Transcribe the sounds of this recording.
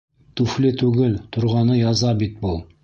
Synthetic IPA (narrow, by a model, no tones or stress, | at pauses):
t̪ʉflɘt̪ʉɡɘlt̪ʰŏɾʁɑnɤjɑzɑbit̪̚bulˠ